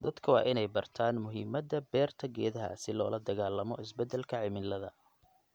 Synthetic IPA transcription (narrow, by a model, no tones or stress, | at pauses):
d̪ɐd̪̥kʰɐwɑ̰ːʔɪnɛjbɐrt̪ʰaːnmʊɦɪːmɐd̪ɐbɛːrt̪ʰɐɡɛːðɐɦɐ̰sɪlɔ̰ːlɐd̪ɐɣaːlːɐmɔ̰ʔɪsbɛd̪ɛlkʰɐʕɪmɪlɐðɐ̰